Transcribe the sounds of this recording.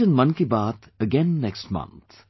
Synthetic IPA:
ə̃nmʌ̃nkibaːt̪ | əɡɛ̃nːɛksʈmʌ̰̃nt̪

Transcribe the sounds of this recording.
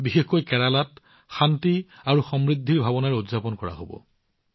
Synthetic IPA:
bixexkojkɛɹalat | xantiaɹuxɔmɹid̪ʱːiɹbʱabɔnaɹudzapɔnkɔɹa̰ɦobɔ̰

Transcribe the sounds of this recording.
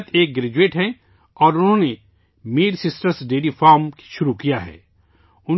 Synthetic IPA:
t̪ʰeːk̚ɡɾeːd͡ʒueːʈɦɛ̃ | ɔːɾʊnɦõːne | miːɾsɪsʈəɾsɖeːlifaːɾmkʃʊɾukijaɦɛ̰ː | ʊn

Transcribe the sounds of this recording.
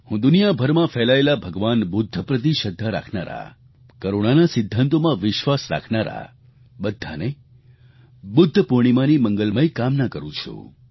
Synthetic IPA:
hũd̪unijabʱəɾmãfɛlaelabʱəɡʋanbʊd̪ʱːəpɾət̪̬iʃəd̪ʱːaɾa̰kʰnaɾa̰ | kəɾoɽ̃anasɪd̪ʱːant̪omãʋɪʃʋasɾa̰kʰnaɾa̰ | bəd̪ʱːa̰ne | bʊd̪ʱːəpuɾɳ̃imãniməŋɡəlməjkamnakəɾũt͡ʃʰṵ

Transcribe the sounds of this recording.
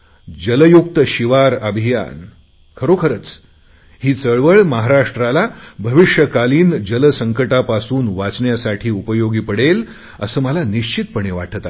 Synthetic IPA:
d͡ʑələjuk̚t̪əɕiʋaɾəbʱija̰n | kʰəɾokʰəɾət͡s | hiːt͡səɭʋəɭməɦaɾaʂʈɾalabʱəʋiʂjəkaliːnd͡ʑələsəŋkəʈapasuːnʋat͡sɳjasaʈʰiːupəjoɡiːpəɽel | ə̰səːməlaniɕt͡ɕit̪̚pəɳ̃eʋa̰ʈʰət̪a

